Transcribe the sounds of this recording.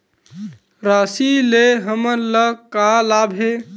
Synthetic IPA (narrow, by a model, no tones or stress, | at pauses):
ɾasileɦəməɾləkalabʱe